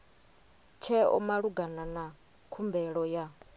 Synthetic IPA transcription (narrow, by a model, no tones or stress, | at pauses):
t͡ʃʰɛɔ̰maɺuɡanana | kʰumbɛɺɔja